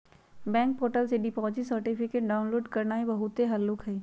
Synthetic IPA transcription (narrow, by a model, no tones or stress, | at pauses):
bɛ̃ːŋk̚poːɾʈəlseɖɪpɔːd͡ʒisəɾʈɪpʰɪkeːʈ̚ɖaːʊ̃nloːɖkɐɾnaebɐɦʊt̪ːeɦɐlːʊkɦɛiː